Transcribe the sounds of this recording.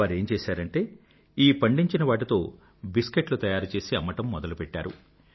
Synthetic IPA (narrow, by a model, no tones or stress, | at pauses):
aːɾe̞ːmt͡ʃeːsaːɾɐɳʈe̞ː | iːpɐɳɖiɲt͡ʃinɐʋaːʈ̬it̪o̞ː | biskeʈlut̪ɐjaːɾut͡ʃe̞ːsiɐmɐʈɐmːɔd̪ɐlupɛʈːa̰ːɾṵ